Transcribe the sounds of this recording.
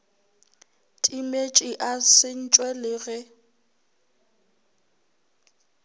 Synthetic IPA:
tʼimet͡ʃʼiʔasɪn̩t͡ʃʼwɛlɪɣɪ

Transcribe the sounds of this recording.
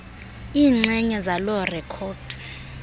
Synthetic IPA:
iːŋ͡ǀɛɲɛzalɔrɛkʰɔːd̥ʱ

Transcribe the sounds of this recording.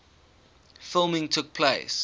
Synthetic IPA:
fɪlˠmɪ̃ŋtʰʊk̚pʰleɪs

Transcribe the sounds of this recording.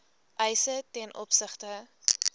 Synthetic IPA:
ʔɛjsətɛnʔɔ̰psəχtə

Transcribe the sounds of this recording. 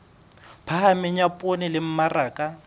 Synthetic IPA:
pʰaɦamɪɲapʼonɪlɪm̩maraːkʼa

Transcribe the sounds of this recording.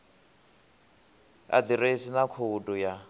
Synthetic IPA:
a̰d̪iɾesinakʰudʼuja

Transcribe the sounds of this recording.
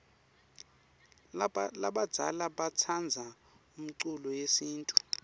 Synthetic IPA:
laɓad̥d͡z̥ʱa̰laɓat͡sʰand͡zʱa | um̩ǀulɔjesiːntʼu̥

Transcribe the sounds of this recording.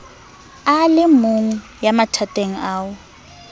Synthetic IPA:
alɪmuŋ̩ | jamatʰatʼeŋ̩aːwʊ

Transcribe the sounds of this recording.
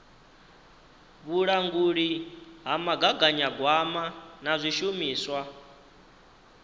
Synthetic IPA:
βuɺaŋɡuɺiɦamaɡaɡaɲaɡwamanazʷiʃumiːswa

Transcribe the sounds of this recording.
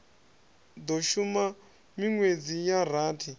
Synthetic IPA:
d̪oʃuma | miŋwed͡zijaɾ̤aːtʰi

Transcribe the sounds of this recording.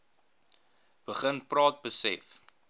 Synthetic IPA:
b̥əχənprɑːt̚bəsɛ̰f

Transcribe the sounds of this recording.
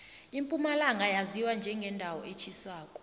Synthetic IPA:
impʼumalaŋɡʱajaziwand͡ʒʱɛŋɡʱɛndʱawɔʔet͡ʃʰiswaːkʼɔ̥

